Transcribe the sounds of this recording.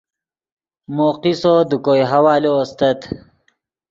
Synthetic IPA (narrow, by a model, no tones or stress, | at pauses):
moːqisod̪ukojɦawaːloost̪ɐt̪